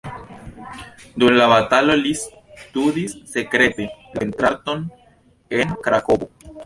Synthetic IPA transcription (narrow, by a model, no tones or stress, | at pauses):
d̪umlaβatalo̞lis | t̪udisːe̞kɾe̞te̞lentɾaɾt̪o̞n | e̞nkɾakobo